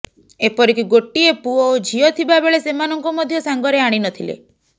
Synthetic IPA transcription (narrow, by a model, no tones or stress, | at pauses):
epɔɾikiɡoʈːiepuɔd͡ʒʱiɔt̪ʰibabeɭesemanɔŋkɔmɔd̪ʱjɔsaŋɡɔɾeaɽ̃inɔt̪ʰilḛ